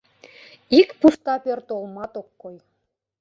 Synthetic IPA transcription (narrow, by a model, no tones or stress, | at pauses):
ikpust̪ɑpørt̪olˠmɑt̪okːoj